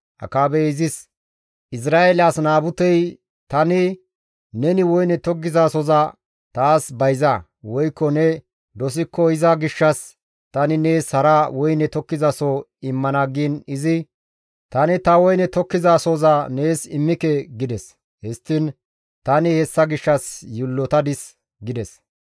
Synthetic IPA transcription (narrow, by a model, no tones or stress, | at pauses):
ʔɐ̰kaːbɛɪzɪs | ʔɪs̬ɾaːʔɛlasnaːbʊt̪ɛj | t̪ɐnɪ | nɛnɪwɔjnɛt̪ɔɡːɪzaːsɔzɐ | t̪aːsbɐjzɐ | wɔjkːɔnɛ | d̪ɔs̬ɪkːɔhɪzaɡɪʃːɐs | t̪ɐnɪneːshɐɾawɔjnɛt̪ɔkːɪzɐsɔ | ɪmːɐnaɡinɪzɪ | t̪ɐnɪt̪ɐwɔjnɛt̪ɔkːɪzaːsɔzɐne̞ːsɪmːɪkɛɡɪd̪ɛs | hɛst̪ːɪn | t̪ɐnɪhɛsːɐɡɪʃːɐsjɪlːɔt̪ɐd̪ɪs | ɡɪd̪ɛs